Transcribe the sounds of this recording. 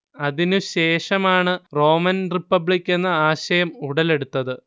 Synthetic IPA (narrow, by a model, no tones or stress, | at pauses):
ɐðinuɕe̞ːʂɐmaːɳɨro̞ːmɐnripːɐbɭikʲːe̞nːɐaːɕɐjɐmuɽɐle̞ɽut̪ːɐðɨ